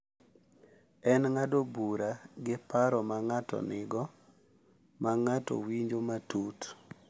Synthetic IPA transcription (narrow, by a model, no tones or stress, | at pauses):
ɛnŋadobuɾaɡɪpaɾɔmaŋatɔ̰nɪɡɔ | maŋatɔ̰wiɲd͡ʒomatut